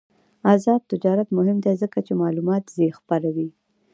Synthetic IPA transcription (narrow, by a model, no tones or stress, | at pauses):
azɑd̪̚t̪ɪd͡ʒɑɾat̪mʊhɪmd̪ezəkat͡ʃemɑlumɑt̪zexpaɾawi